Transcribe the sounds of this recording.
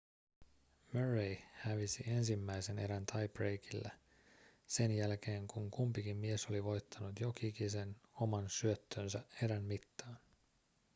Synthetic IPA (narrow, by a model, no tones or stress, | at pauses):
møɹejhæʋisie̞nsimːæjse̞ne̞̰ɾænt̪ʰɑjprejkilːæ | se̞njælke̞ːŋkuŋkumpikimːie̞so̞liʋo̞jt̪ʰːɑnut̪jo̞kikise̞nomɑnsyøt̪ːøːnsæe̞ɾænmit̪ːɑːn